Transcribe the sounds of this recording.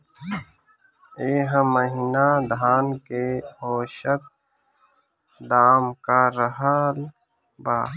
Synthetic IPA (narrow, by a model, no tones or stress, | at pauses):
eːɦəməɦinad̪ʱaːnkeɦoːʃək̪̚ | d̪aːmkaːɾəɦəl | baː